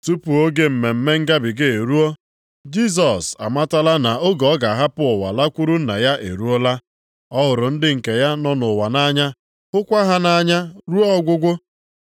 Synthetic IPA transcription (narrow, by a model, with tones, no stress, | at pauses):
tu˦pu˨o˦ɡe˦m̩˨me˨m̩˦me˦ŋ̩˦ɡa˦bɪ˨ɡe˦˨e˨ɾu˦o˦ | d͡ʒi˦s̬ɔ˨sa̰˨ma˦ta˦la˦na˨o˦ɡɔ˨˦ɡa˨ɦa˦pʊ˦ʊ˨wa̰˨la˦kʷu˦ɾu˦n̩˦na̰˨ja˦ʔḛ˨ɾu˦o˦la˦ | ɔ˦ɦʊ˨ɾʊ˨n̩˦dɪ˦ŋ̩˨ke˨ja˦nɔ˦nʊ˨wa˨na˦ɲa˦ | ɦʊ˦kʷa˦ɦa˦na˦ɲa˦ɾu˦ɔ˦ɡʷʊ˦ɡʷʊ˦